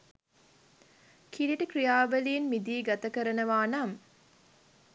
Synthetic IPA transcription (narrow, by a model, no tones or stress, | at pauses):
kʰiliʈəkrijaːʋəlijinmid̪iːɡat̪əkəɾənəʋaːnam